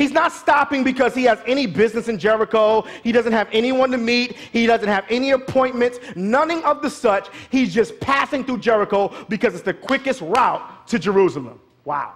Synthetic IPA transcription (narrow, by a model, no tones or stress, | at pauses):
hiznətstɑpɪ̃ŋbɨkʰʌz̥iɨzɛñibɪznɨsɨ̃nd͡ʒɛɹɨkoʊhiɾʌzɨ̃nt̚hɨvɛñiwʌ̃ntɨmit̚hidʌzɨ̃n̩thɨvɛniɨpʰɔ̃ɪ̃nmɨ̃ntsnʌθɪ̃ŋʌvðɨsʌt͡ʃhizd͡ʒʌspʰæsɪ̃ŋθɹud͡ʒɛɹɨkoʊbɨkʰʌzɨtsðɨkʰw̥ɪkɨst̚ɹaʊt̚tʰɨd͡ʒə˞usl̩ˠə̰̃m | wa̰ʊ